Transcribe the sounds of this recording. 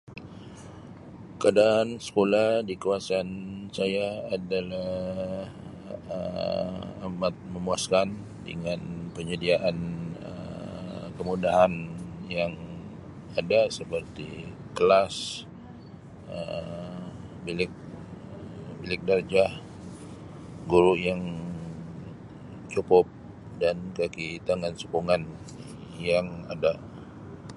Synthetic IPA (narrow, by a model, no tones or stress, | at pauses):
kadaːnsə̥kolahdikuasansajaːdalah | ə̰ | amat̪̚məmuaskan | də̰ŋanpəɲədiaʔanə̰ | kəmudaɦanjaŋ | adasəpərt̪i | kəlas | ə̰m | bilɪk̚ | bilɪk̚dard͡ʒah | ɡuɾuʔjaŋ | t͡ʃupɔp̚ | dankakit̪aŋansukuŋan | jaŋa̰da